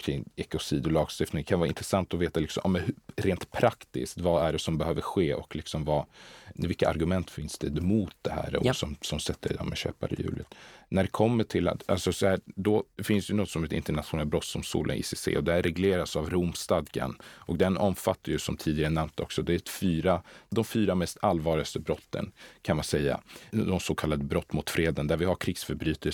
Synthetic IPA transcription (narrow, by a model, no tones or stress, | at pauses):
kʰɾɪŋːɛkʊsiːd̪ɔlɑːɡst̪ɪft̪nɪŋkʰanvɑːaɪ̰nt̪ɾɛsant̪ɔveːt̪alɪksɔmʔa̰ːmɛnhɾeːnt̪pʰɾakt̪ɪ̰skt̪vaæɖɛsɔmbɛhøːvəɾɧeːɔklɪksɔmvavɪlkːaa̰ɾɡɵmɛnt̪fɪnsd̪ɛd̪mʊːt̪̚d̪ɛhæ̰ːɾɔ̰sɔmsɔmsɛt̪ʰːəɾɛd̪ɔ̰mɛɕø̰ːpa̰ɾɪ̰jʉ̟̰ːlʔət̪næɖɛkʰɔmːəʈʰɪla̰t̪a̰lsɔsɔhæːɾd̪ɔfɪnsd̪ɛjnɔt̪ːsɔmɛt̪ɪ̰nt̪əɳat̪ɧʊnɛl̚bɾɔt̪sɔmsṵːlʔə̰ɪ̰ːsesḛːɔd̪ɛhæɾɛɡleːɾasavɾumst̪ad̪ɡa̰nʔɔkd̪ɛnɔmfat̪ːajɵsɔmt̪ʰiːd̪ɪɡaɾənːɛmnt̪ɔ̰ksɔd̪ɛæt̪fyːɾad̪ɔmfyːɾamɛst̪alːvɑːɭɪɡast̪əbɾɔt̪ʰːə̰nkʰanmansɛjːa̰d̪ɔmsoːkʰalːad̪əbɾɔt̪ːmʊt̪fɾeːd̪ənd̪æɾvɪhaɾkʰɾɪɡsfœɾbɾyːt̪ʰə